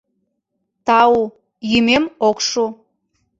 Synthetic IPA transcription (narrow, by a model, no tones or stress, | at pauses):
t̪ɑu | jymemokʃu